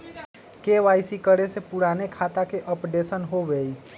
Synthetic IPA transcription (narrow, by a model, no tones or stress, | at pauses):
keʋaːɪsikəɾesepʊɾaːnekʰaːt̪akeʔɔpɖesənɦoʋeːi